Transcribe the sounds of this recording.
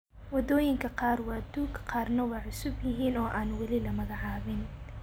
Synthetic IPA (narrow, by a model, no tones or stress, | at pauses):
wɐd̪ɔːjɪŋkʰɐqɑːrwɑːd̪uːkqʰɑːrnɐwɑːʕʊsʊbjɪɦiːnɔːʔaːnwɑlɪlɐmɐɣɑʕɑːβɪn